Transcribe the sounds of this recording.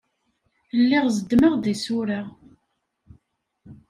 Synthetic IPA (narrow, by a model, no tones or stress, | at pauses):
lːiʁzəd̪məʁðisʊɾa